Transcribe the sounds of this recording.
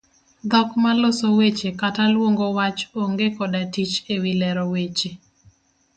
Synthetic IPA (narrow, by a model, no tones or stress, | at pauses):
d̪ɔkmalosowet͡ʃekatalwoŋɡowat͡ʃoŋɡekɔdatit͡ʃewilɛɾɔwet͡ʃe